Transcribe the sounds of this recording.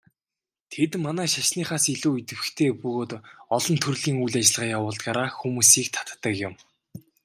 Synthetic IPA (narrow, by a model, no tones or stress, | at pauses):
t̪ʰet̪manæːʃaʃniːχaːsiɮuːit̪ɘ̆wɘ̆xt̪ʰeːpɵɣoːt̪ɔɮɞ̆nt̪ʰɵrɮiːŋujɮat͡ɕɪ̆ɮʁaːjawʊːɮt̪aːɾaːxumuːsiːkt̪ʰḁt̪ːə̆kjʊ̆m